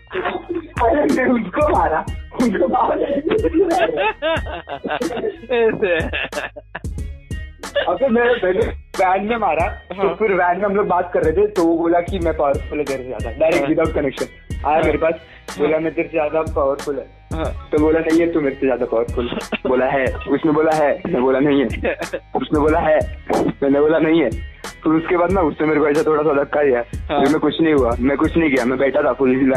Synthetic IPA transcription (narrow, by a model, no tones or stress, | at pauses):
ɐɡəɾmɛʊnskomaːɾaʊnkobalakeimaɾa | ɛs | ɐɡəmɛ̃bɛleʋæːnmẽmaːɾat̪ofɪɾʋɛ̃ːnmẽɦɐmloːɡ̚baːt̪kɐɾːɛt̪ʰet̪oʋoboːlakimɛ̃paʋəɾfʊlɦɛd͡ʒ̪eɾsezja̰ːd̪aɖaɪɾekʈʋɪd̪aːʊʈ̚kɐnekʃən | a̰ːjameːɾepaːs | boːlamɛ̃t̪eɾsezjaːd̪apaʋəɾfʊlɦɛː | t̪oboːlanɐɦĩɦɛt̪omeːɾesezjaːd̪apɐʋəɾfʊlboːlaɦɛːʊsneboːlaɦɛːmɛ̃boːlanɐɦĩɦɛːʊsnẽboːlaɦɛmɛ̃ːneboːlanɐɦĩɦɛːfɪɾʊskebaːd̪naʊsnẽmeːɾkoɛɪsat̪ʰoːɽasad̪ɐkːad̪ijaɛfʰɪɾmɛ̃kʊt͡ʃʰnɐɦĩɦuamɛ̃kʊt͡ʃʰnɐɦĩɡɐjamɛ̃bɛːʈʰat̪ʰafɪɾl